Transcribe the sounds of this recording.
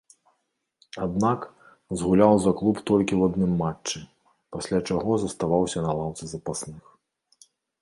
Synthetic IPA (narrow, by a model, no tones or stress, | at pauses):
ad̪nak | zɣulʲawzɐklˠupt̪ɔlʲkʲiwad̪nɨmːat͡ʂːɨ | pasʲlʲat͡ʂaɣɔzɐst̪avawsʲɐnɐlˠawt̪sɨzɐpasnɨx